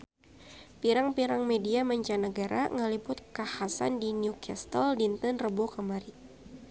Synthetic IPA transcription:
piɾaŋpiɾaŋmediamaɲt͡ʃanəɡaɾa̰ŋəlibʊt̪̚kahasa̰ndinjukast̪əldint̪ənrəbokəmaɾi

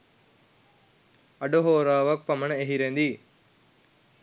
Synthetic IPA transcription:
ɐɖoɦoːɾaːʋɐk̚pɐmɐneɦiɾend̪i

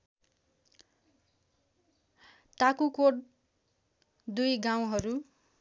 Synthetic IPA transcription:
ʈakukoɽ | d̪ujɡaw̃ɦʌɾu

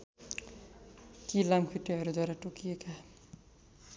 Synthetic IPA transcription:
k̪ilamkʰiʈːeɦʌɾud̪waɾaʈokijeka

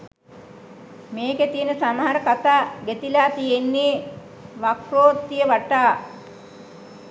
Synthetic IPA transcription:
meːket̪ijənəsamaɦaɾəkat̪aːɡet̪ilaːt̪ijenːi | ʋakroːt̪ːijəʋaʈaː

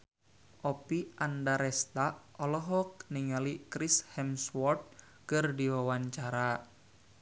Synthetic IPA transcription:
ʔɔpiʔandaɾɛst̪aɔlɔɦɔk̚niŋalikɾishɛmswɔrt̪̚ | kɨrdiwawaɲt͡ʃaɾa

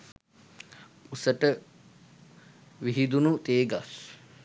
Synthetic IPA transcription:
usəʈə | ʋiɦid̪unut̪eːɡas

